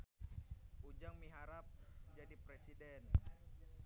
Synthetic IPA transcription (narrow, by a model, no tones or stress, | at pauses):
ud͡ʒaŋmiɦaɾap̚d͡ʒadipɾesidɛn